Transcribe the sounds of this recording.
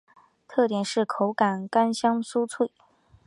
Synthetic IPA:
t̪ʰɤ˥˩t̪jɛ˨˩nʂɻ̩˥˩kʰo˧˥ʊka˨˩nka˥nɕjɑ˥ŋsu˥t͡sʰwe˥˩ɪ

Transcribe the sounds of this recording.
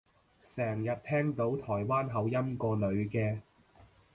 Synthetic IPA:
sɛː˨˩ŋjɐ˨t̚t̪ʰɛː˥ŋt̪o˨˥wt̪ʰɔː˨˩jwaː˥nɦɐ˨˧wjɐ˥mkɔː˧lɵ˨˧ɥkɛː˧

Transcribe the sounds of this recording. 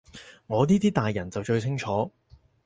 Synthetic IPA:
ŋɔː˨˧niː˥t̪iː˥t̪aː˨jːɐ˨˩nt͡sɐ˨wt͡ʃɵ˧ɥt͡sʰɪ˥ŋt͡ʃʰɔː˨˥

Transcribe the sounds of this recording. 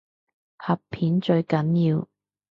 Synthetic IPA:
hɐ˨pʰiː˨˥nt͡ʃɵ˧ɥkɐ˨˥njiː˧w

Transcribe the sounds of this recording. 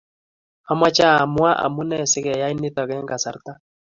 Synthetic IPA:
ha˦mwa˦t͡ʃa˦˨a˨mwa˦ʔa̰˨mu˦nɛ˦˨sɪ˦kɛ˨ja˦i˦nɪ˦t̪ɔ˨kɛ˦ŋɡa˨sa˨ɾta˦

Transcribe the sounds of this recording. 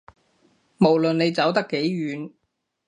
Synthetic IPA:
mo˨˩wlɵ˨nne˨˧jt͡sɐ˨˥wt̪ɐ˥kːe˨˥jɥyː˨˧n

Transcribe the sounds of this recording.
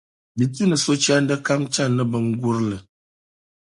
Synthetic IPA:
bi˨tu˦nə˨so˦t͡ʃa˦ndə˦ka˦mt͡ʃa˦˨nə˦bə˨ŋ̩˦ɡu˦ɾlə˨

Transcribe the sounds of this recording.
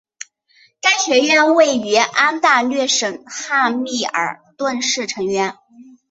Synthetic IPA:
t̪a˥nɕɥɛ˧˥ɥɛ˥˧nwe˥˩ɪy˧˥ʔa˥nt̪a˥˧lɥɛ˥˩ʂɤ˨˩ŋxa˥˧mi˥˩ə̰˞˨˩t̪wa˥˧nʂɻ̩˥˩ʈ͡ʂʰɤ˧˥ŋɥɛ˧˥n

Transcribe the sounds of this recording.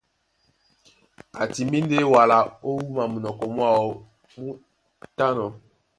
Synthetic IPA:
a˨ti˨mi˦nde˦wa˨la˨o˦wu˦ma˨mu˨nɔ˨kɔ˨mwa˦˨ɔ˨ | mu˦ | ta˦nɔ˨

